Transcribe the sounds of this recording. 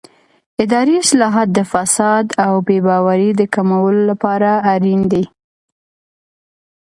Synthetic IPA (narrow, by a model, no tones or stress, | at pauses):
ɪd̪ɑɾiɪslɑɦɑt̪̚d̪əfasɑd̪awbebɑwaɾid̪əkamawəlolapɑɾaːɾind̪i